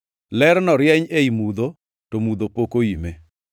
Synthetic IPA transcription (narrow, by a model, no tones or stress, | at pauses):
lɛɾnɔɾjɛɲeimud̪o | tomud̪opokoime